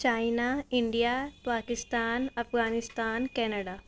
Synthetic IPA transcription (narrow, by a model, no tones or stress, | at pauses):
t͡ʃaːɪnaɪɳɖijapaːkɪst̪aːnɐfɣaːnɪst̪aːnkɛːnəɽaː